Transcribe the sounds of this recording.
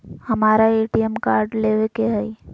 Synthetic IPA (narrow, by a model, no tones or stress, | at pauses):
hɐmaːɾaeːʈijemkaːɾɖleːʋekeɦɛi